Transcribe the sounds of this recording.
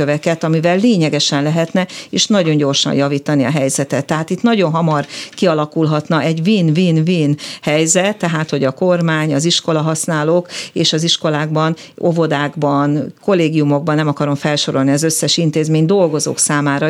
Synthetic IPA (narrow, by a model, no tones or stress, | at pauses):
øvɛkɛt̪ɒmivɛlːeːɲɛɡɛʃɛnlɛɦɛt̪nɛeːʃnɒɟo̞ɲɟo̞rʃɒ̰njɒviːt̪ɒniɒ̰ɦɛjzɛt̪ɛt̪ːɛɦaːt̪it̪nɒɟo̞nɦɒmɒrkiɒlɒkulɦɒt̪nɒʔɛɟviːnviːnviːnhɛjzɛt̪ːɛɦaːt̪ho̞ɟɒko̞rmaːɲɒziʃko̞lɒɦɒsnaːloːkeːʃɒziʃko̞laːɡbɒn | ovo̞d̪aːɡbɒnko̞lːeːɡijumoɡ̚bɒnːɛmɒkɒɾo̞mfɛlʃo̞ɾo̞lniɒzøsːɛʃint̪eːzmeːɲd̪o̞lɡo̞zo̰ːksaːmaːɾɒ